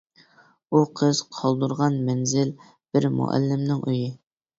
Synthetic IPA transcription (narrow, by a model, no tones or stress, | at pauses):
uqʰəz̥qʰɑlˠd̪uɾʁɑnmɛnzɪl | b̥ɪɾmṵʔæ̰lːɪmnɪŋʔyjɪ